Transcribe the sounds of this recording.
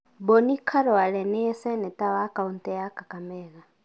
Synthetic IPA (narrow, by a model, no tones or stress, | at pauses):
bɔnikʰaɾɔalɛnɛjɛsɛnɛtaβakauntɛjakakamɛɣa